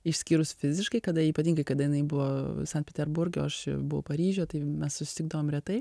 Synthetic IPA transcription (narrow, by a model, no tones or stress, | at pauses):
ɪʃʲsʲkʲiːɾʊsfʲɪzʲɪʃkɐɪkɐd̪ɐiːpɐt̪ʲiːŋɡɐɪkɐd̪ɐjɪnɐɪbʊʋoːsɐnt̪̚pʲɛt̪ʲɛɾbʊɾʲɡʲo̰ːɐʃɪ̰bʊʋɐʊpɐɾʲiːʒʲoːt̪ɐɪmʲɛssʊsʲɪ̥t̪ʲɪɡ̚d̪ɐʋoːmɾʲɛt̪ɐɪ